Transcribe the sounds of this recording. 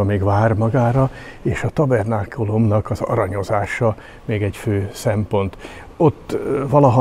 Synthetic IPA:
ɒmeːɡvaːrmɒɡaːɾɒeːʃɒt̪ɒbɛrnaːkʰolomnɒkɒzɒ̰ɾɒɲo̞zaːʃɒ | meːɡɛɟføːsɛmpo̞nt̪ | o̞t̪ːvɒlɒɦɒ

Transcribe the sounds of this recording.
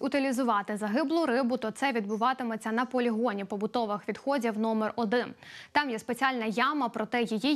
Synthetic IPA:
ʊt̪ɪlʲizʊʋɑt̪ɪzɐɦɪblˠʊɾɪbʊt̪ɔt̪sɛʋʲid̪̚bʊʋɑt̪ɪmɔt͡sʲːɐnɐpɔlʲiɦɔnʲipɔbʊt̪ɔʋɪxʋʲid̪xɔdʲiwnɔmerɔd̪ɪnt̪ɑmjɛspet͡sʲiɑlʲnɐjɑmɐpɾʔɔt̪ɛjiji

